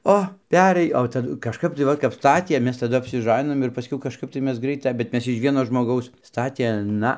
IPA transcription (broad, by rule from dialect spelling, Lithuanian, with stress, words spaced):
ˈoː ˈpʲæːrɘj oː tɐˈdʊ kɐʃˈkɐp tɐɪ ˈʋɐt kɐp ˈstɑːtʲiɛ ˈmʲɛs tɐˈdʊ ɐpʲsʲɪˈʒɑːnʲɪnoːm ɪr pɐˈsʲkʲɛʊ kɐʃˈkɐp tɐɪ ˈmʲɛs ˈɡrɐɪtɐ bʲɛt ˈmʲɛs ɪʃ ˈʋʲiɛnoː ʒmoːˈɡɐʊs ˈstɑːtʲeː ˈnɐ